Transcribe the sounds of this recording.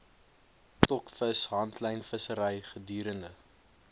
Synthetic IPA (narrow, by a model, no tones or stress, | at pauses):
tɔkfəsɦɐntʰləjnfəsəɾəjχədyːɾəndə